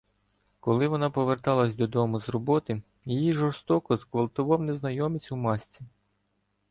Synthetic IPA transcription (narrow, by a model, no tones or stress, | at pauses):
kɔlˠɪʋɔnɑpɔʋert̪ɑlˠɐsʲd̪ɔd̪ɔmʊzrɔbɔt̪ɪ | jejiʒɔrst̪ɔkɔzkʋɐlˠt̪ʊʋɑwneznɐjɔmɪt͡sʲumɑsʲt͡sʲi